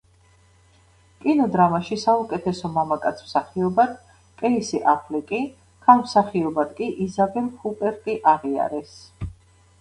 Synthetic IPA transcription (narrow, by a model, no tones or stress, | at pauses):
kʼinɔd̪ɾamaʃisaukʼɛt̪ʰɛsɔmamakʼat̪sʰm̥saχiɔbad̪̥̚ | kʼɛisiʔapʰlikʼi | kʰalˠmsaχiɔbad̪kʼiʔizabɛlhupʼɛɾkʼiʔaʁia̰ɾɛs